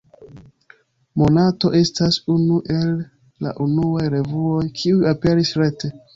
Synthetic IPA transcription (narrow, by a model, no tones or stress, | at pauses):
mo̞nato̞ʔe̞stasunuʔe̞lː | a̰ʔunuajɾe̞vuo̞jkʰiujape̞ɾisɾe̞te